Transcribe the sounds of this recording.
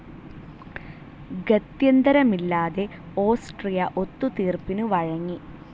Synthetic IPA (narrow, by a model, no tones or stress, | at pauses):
ɡɐt̪jɐnd̪ɐɾɐmilːaːðe̞ | o̞ːsʈrijɐʔot̪ːut̪iːrpinuʋɐɻɐŋːi